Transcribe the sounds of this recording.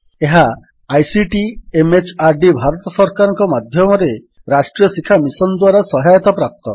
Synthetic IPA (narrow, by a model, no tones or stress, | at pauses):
eɦaː | jsiʈiemet͡ʃaɾɖibʱaɾɔt̪ɔsɔɾkaɾɔ̃ŋkɔmad̪ʱjɔmɔɾe | ɾasʈɾijɔsikʰamisɔnd̪waɾasɔɦajɔt̪ɔpɾap̚t̪ɔ